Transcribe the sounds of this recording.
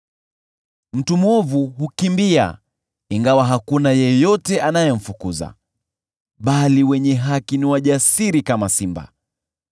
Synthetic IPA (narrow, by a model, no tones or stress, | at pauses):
m̩tumwɔvuɦukimbia̰ | iŋɡawaɦakunajɛjɔtɛʔanajɛm̩fukuza̰ | ɓaliwɛɲɛɦakiniwaʄasiɾikamasimba̰